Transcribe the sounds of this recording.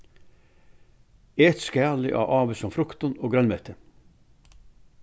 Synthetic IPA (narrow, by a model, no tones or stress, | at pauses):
eːt̪skæːɭɪ̰ʔɑ̰ːʔɑːʋəsɔmfɾʊkt̪ənoːɡɾœnmeːt̪ʰə